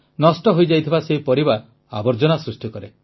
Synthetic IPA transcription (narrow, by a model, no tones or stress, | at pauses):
nɔsʈɔɦojd͡ʒajt̪ʰibaseipɔɾibaɾ | a̰bɔɾd͡ʒɔnasɾusʈikɔɾe